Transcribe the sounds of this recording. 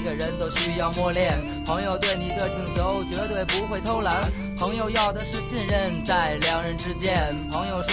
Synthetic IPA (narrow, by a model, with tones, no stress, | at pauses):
ɡə˧˩ɻə˧˥nt̪o˥ʊɕy˥jɑ˥˧ʊmwɔ˥˧ljɛ˥˩n | pʰɤ˧˥ŋjo˨˧ʊt̪we˥˩ɪni˨˩d̪ə˧t͡ɕʰi˨˩ŋt͡ɕʰjo˧˥ʊt͡ɕɛ˧˥t̪we˥˩ɪpu˧˥xwe˥˩ɪt̪ʰo˥ʊla˧˥n | pʰɤ˧˥ŋjo˨˧˩ʊjɑ˥˩ʊd̪ə˩ʂɻ̩˥˧ɕi˥˧nɻə˥˧nt͡sa˥˩ɪljɑ˧˥ŋɻə˧˥nʈ͡ʂɻ̩˥t͡ɕjɛ˥˩n | pʰɤ˧˥ŋjo˨˧ʊʂ